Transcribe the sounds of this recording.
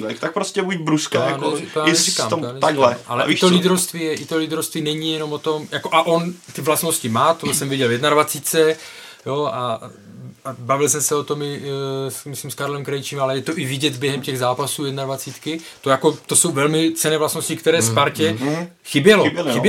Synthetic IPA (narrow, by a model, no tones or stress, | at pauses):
t̪ak̚pɾoscɛbuɟbɾuskajaanɛt̪ojaːnɛikamoanɛt̪aɡlɛʔa̰lɛ̰ʔt̪olid̪ɾowst̪viːjɛʔɪt̪olid̪ɾowst̪viːnɛɲijɛno̞mot̪o̞mjakoʔaʔont̪ɪvlast̪no̞scɪmaːt̪osɛmvɪɟɛljɛdnadvat͡siːtt͡sɛjoa | abavɪlsɛmsɛot̪o̞mɪsmɪslɪmskaɾlɛmkɾɛjt͡ʃɪmalɛjɛt̪oʔɪvɪɟɛd̪bjɛɦɛmcɛɣzaːpasuːjɛdnadvat͡siːt̪kɪt̪ojako̞t̪o̞so̞wvɛlmɪt͡sɛnɛːvlast̪no̞scɪkt̪ɛɾɛːspaɾcɛxɪbjɛlobxɪbj